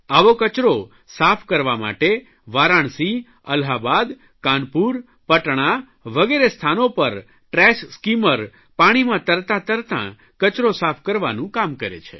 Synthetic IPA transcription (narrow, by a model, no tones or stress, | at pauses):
aʋokət͡ʃɾo | sapʰkəɾʋama̰ʈe | ʋaɾaɳsi | ə̰lɦabad̪ | kãnpuɾ | pəʈɳ̃a | ʋəɡeɾest̪ʰanopəɾ | ʈɾɛʃskiməɾ | paɽ̃imãt̪əɾt̪ãt̪əɾt̪ã̰ | kət͡ʃɾosapʰkəɾʋa̰nũkamkəɾḛt͡ʃʰḛ